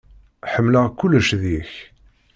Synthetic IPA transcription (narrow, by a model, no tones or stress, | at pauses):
ħəmːləkːuləʃðiç